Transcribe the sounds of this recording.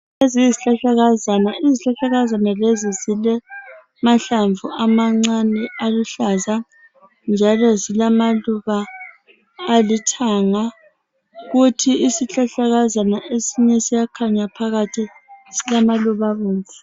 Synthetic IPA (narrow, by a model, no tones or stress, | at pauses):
eziziɬaɬaɣazanaiziɬaɬaɣazanalezizilɛ | maɬaɱvuamaŋ͡ǀanɛaluɬaza | nd͡ʒʱalɔzilamaluβaː | litʰaŋa | ɣutʰiisiɬaɬaɣazanaʔesiɲɛsijakʰaɲapʰaɣatʰisilamaluβaβuːnd͡ɮʱɛ